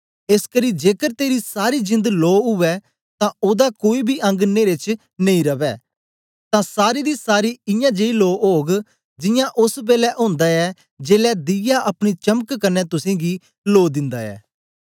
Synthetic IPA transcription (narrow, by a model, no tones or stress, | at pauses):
eskəɾiːd͡ʒeːkəɾt̪eːɾisaːɾiːd͡ʒɪ̃nd̪loːɦʊʋɛː | t̪ãːoːd̪akoːiːbʱiʔɐ̃ŋɡneːɾet͡ʃ | nəĩːɾəʋɛː | t̪ãːsaːɾiːd̪iːsaːɾiːɪjãːd͡ʒeiloːɦoːɡ | d͡ʒɪjãʔʊsbeːlɛʔõːnd̪aːɛː | d͡ʒeːlɛːd̪ɪjaʔɐpñit͡ʃəməkkənːɛːt̪ʊsẽːɡiː | loːd̪ɪ̃nd̪aːɛ̰ː